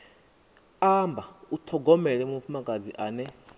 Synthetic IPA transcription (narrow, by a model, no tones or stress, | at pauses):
ambʱautʰɔɡɔmɛlɛmum̩fumakʼad͡ziʔaːnɛ